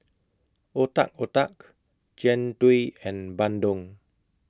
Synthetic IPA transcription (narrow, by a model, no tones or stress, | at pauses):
ota̰k̚otak | d͡ʒɛ̃ntwiɛ̃nbãndɔ̃ŋ